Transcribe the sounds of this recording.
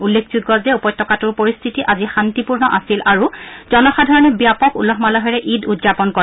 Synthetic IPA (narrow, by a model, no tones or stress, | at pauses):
ulːekʰzut̚ɡɔzdɛupɔjtːɔkatʊɹpoɹist̪ʰitiʔazixantipuɹnɔʔasilʔaɹuzɔnɔxadʱaɹɔnɔbjapɔkṵlɔɦmalɔɦɔɹɛʔidudzapɔnko